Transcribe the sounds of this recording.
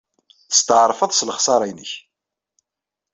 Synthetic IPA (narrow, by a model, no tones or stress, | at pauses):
θst̪əʕɾˤfəðˤsləχsˤɑɾˤɑjnəç